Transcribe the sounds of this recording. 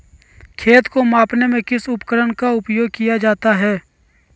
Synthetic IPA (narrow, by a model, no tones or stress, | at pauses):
kʰeːt̪komãːpnemẽkɪsʊpkəɾənkaʊpjoːɡ̚kijad͡ʒaːt̪aɦɛː